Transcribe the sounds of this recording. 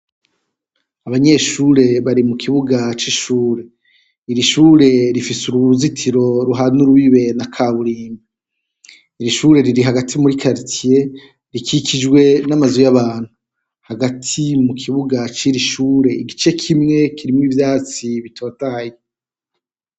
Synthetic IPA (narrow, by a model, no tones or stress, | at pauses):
aβaɲe̞ːʃuːɾe̞βaɾimukʰiβuɡat͡ʃiʃuːɾe̞ | iɾiʃuːɾe̞ɾifisuɾuβuzitʰiɾo̞ɾuɦanuɾuβiβe̞nakʰaːβuɾiːme | iɾiʃuːɾe̞ɾiɾiɦaɡatʰimuɾikʰaɾitʰije̞ | ɾikʰikʰid͡ʒɡwe̞namazujaβaːn̥hu | haɡatʰimukʰiβuɡat͡ʃiɾiʃuːɾe̞iɡit͡ʃe̞kʰimŋe̞kʰiɾimwivjaːt͡siβitʰo̞ːtaːje